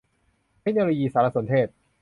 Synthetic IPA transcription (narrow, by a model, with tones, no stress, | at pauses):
t̪ʰe˦˥k̚noː˧loː˧jiː˧saː˩˦ɾa˧so˩˦nt̪ʰeː˥˩t̪̚